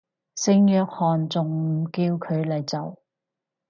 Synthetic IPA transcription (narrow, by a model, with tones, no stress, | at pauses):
sɪ˧ŋjœː˧k̚hɔː˨nt͡sʊ˨ŋ̩˨˩kiː˧wkʰɵ˨˧ɥlɐ˨jt͡sɐ˨˩w